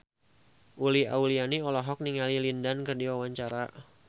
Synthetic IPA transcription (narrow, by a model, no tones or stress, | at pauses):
ʔulia̰ulianiɔlɔɦɔk̚niŋalilindankɨrdiwawaɲt͡ʃaɾa